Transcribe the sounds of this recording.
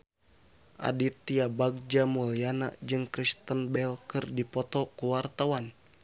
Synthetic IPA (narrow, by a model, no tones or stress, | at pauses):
ʔa̰dit̪ːiabaɡ̚d͡ʒamuliana̰ʔd͡ʒɨŋkɾist̪ənbɛlkɨrdipɔt̪ɔkuwart̪awan